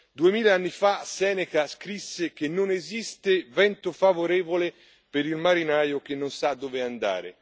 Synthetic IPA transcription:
d̪uemiːleanːifasɛːnekaskɾisːek̟enːonezist̪evɛnt̪ofavoɾɛːvole | peɾilmaɾinaːjok̟enːonsad̪ːoːveand̪a̰ːɾḛ

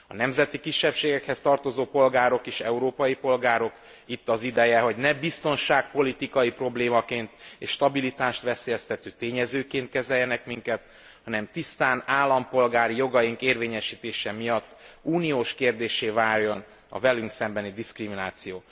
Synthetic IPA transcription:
ɒ̰nɛmzɛt̪ikiʃːɛpʃeːɡɛkhɛst̪ɒrt̪o̞zoːpo̞lɡaːɾo̞keːʃɛuɾoːpɒjipo̞lɡaːɾo̞k | it̪ːɒzid̪ɛjɛɦo̞ɟnɛbist̪o̞nʃaːk̚po̞lit̪ikɒjipro̞bleːmɒkeːnt̪eːʃt̪ɒbilit̪aːʃt̪ʋɛseːjɛst̪ɛt̪øːt̪eːɲɛzøːkeːnt̪̚kɛzɛjːɛnɛkmiŋkɛt̪ | hɒnɛmt̪ist̪aːnaːlːɒmpo̞lɡaːɾijo̞ɡɒjiŋkeːrveːɲɛʃiːt̪eːʃɛmijɒt̪ːuːnijoːʃkeːrd̪eːʃeːvaːrjo̞n | ɒ̰vɛlyŋksɛmbɛnid̪iskriminaːt̪sijoː

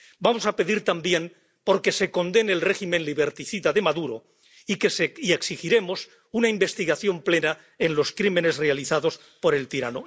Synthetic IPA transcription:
bamo̞sape̞ðiɾt̪ambje̞n | po̞ɾke̞se̞ko̞nd̪e̞neːlre̞ximẽ̞nliβeɾt̪iθiðaðe̞maðuɾo | ikesieksixiɾe̞mos | unaimbe̞st̪iɣaθjo̞mple̞na | enlo̞skɾimẽ̞ne̞zre̞aliθaðo̞s | po̞ɾe̞lt̪iɾa̰no

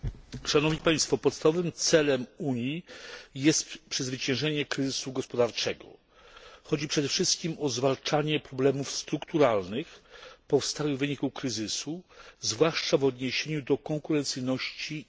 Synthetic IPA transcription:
ʂanɔvɲipaj̃st̪fɔpɔt̪st̪avɔvɘmt̪sɛlɛmuɲjijɛst̪pʂɘzvɘt͡ɕɛ̃w̃ʐɛɲɛkɾɘzɘsuɡɔspɔd̪aɾt͡ʂɛɡɔ̰ | xɔd͡ʑipʂɛd̪ɛfʂɘst̪̚kʲimɔzvalt͡ʂaɲɛpɾɔblɛmufst̪ɾukt̪uɾalnɘxpɔfst̪awɘɣvɘɲikukɾɘzɘsuzvwaʂt͡ʂavɔd̪ɲeɕeɲud̪ɔkɔŋkuɾɛnt̪sɘjnɔɕt͡ɕi

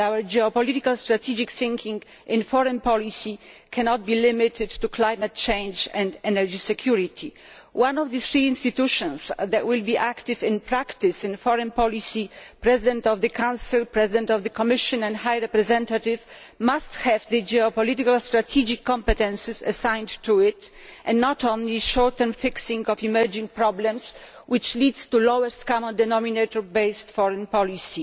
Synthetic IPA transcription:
awɛɹd͡ʒɛɔpɔlitikalst̪ɾat̪ʰid͡ʒiksɪ̃ŋkʰĩŋ | ʔɪ̃nfɔɾɛ̃npɔlisikʰɛnɔt̪̚bilɪmɪt̪ʰɪd̪tːuklajmat̪̚t͡ʃɛ̃jnd͡ʒɛ̃nd̪ɛnɛɾd͡ʒisɛkʰjuɾit̪ʰi | wʔãnɔvd̪ɨθɾiĩnst̪it̪uʃɔ̃nsd̪ɛtwɪlbiʔakt̪ɪvɪ̃npɾakt̪ɪsɪ̃nfɔɾɛ̃npɔlisipɾɛzɪd̪ɛ̃nt̪ɔvd̪ɨkʰãw̃sɨlpɾɛzid̪ɛ̃nt̪ɔvðɨkɔmɪʃɔ̃nɛ̃ndhajɹɛpɾɛzɛ̃nt̪at̪ɪv | mast̪hɛvðɨd͡ʒɛɔpɔlit̪ikalst̪ɾat̪ʰid͡ʒikʰːɔ̃mpɛt̪ɛ̃nsɪsa̰sãj̃ndtːuɪt | ʔɛ̃nnɔt̪ɔ̃nliʃɔɹt̪ə̃nfɪksĩŋɡɔfimɛɹd͡ʒĩŋ̚pɾɔblɛ̃ms | wɪt͡ʃlid̪st̪ulowɛst̪kamə̃nd̪ɛnɔminet̪ɔɹbejstfɔɹɛ̃npɔlisi

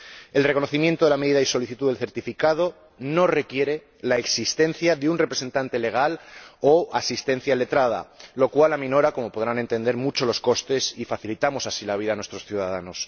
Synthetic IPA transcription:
e̞lrekono̞θimjent̪oðelame̞ðiðaiso̞liθit̪uðelθeɾt̪ifikað̞o̞ | no̞re̞kje̞ɾe̞ | laeksist̪e̞n̟θjaðeunrepɾese̞nt̪ant̪e̞le̞ɣ̞aloasist̪e̞n̟θjale̞t̪ɾað̞a̰lo̞kwalamĩno̞ɾako̞mo̞poðɾane̞nt̪e̞nd̪e̞ɾmut͡ʃo̞lo̞sko̞st̪e̞sifaθilit̪amo̞sasilaβ̞iðanwe̞st̪ɾo̞sθjuðaðano̞s

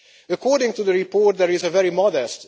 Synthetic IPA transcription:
əkʰɔːɹdɪ̃ŋtuðəɹipɔɹt̚ðɛɹɪzəvɛɹimɔdɛst

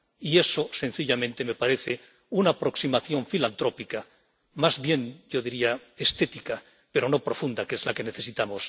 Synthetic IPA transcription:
ie̞so̞se̞nθiʎamẽ̞nt̪e̞me̞paɾe̞θe | unaːpɾo̞ksimaθjo̞ɱfilant̪ɾo̞pika | mazβje̞ŋɟ͡ʝo̞ðiɾiaest̪e̞t̪ika | pe̞ɾo̞no̞pɾo̞fund̪ake̞zlake̞ne̞θe̞sit̪amos

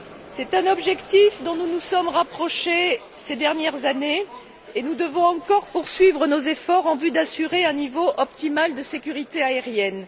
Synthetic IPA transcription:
sɛt̪ɛ̃nɔbʒɛkt̪ifd̪ɔ̃nunusɔmʁapχɔʃe | sed̪ɛʁnjɛʁzaneː | nud̪əvɔ̃ɑ̃kɔʁpuʁsɥivʁənozefɔʁɑ̃vyd̪asyʁeɛ̃nivoʔɔpt̪imald̪əsekʲyʁit̪eaeʁjɛn

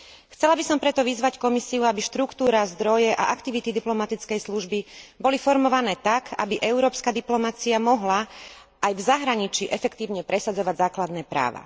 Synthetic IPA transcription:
xt͡sɛlabisɔmpɾɛt̪ɔʋizʋackɔmisiuabiʃt̪ɾukt̪uːɾazd̪ɾɔjɛʔa̰ʔakt̪iʋit̪id̪iplɔmat̪it͡skɛjsluʒbibɔlifɔɾmɔʋanɛːt̪aka̰biʔɛʊɾɔːpskad̪iplɔmat͡siamɔɦla | ajvzaɦɾaɲit͡ʃiːʔɛfɛkt̪iːʊɲɛpɾɛsad͡zɔʋaɟzaːklad̪nɛːpɾa̰ːʋa̰

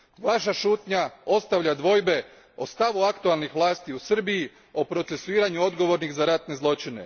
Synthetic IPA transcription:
ʋaʃaʃuːt̪ɲao̞st̪aʋʎad̪ʋo̞jbe̞ | o̞st̪aʋuakt̪ualˠnixʋlˠaːst̪iusr̩biji | o̞pɾo̞t̪se̞suiːɾaɲuo̞d̪ɡo̞ʋo̞ɾnixzaɾat̪ne̞zlˠo̞t͡ʃine̞̰

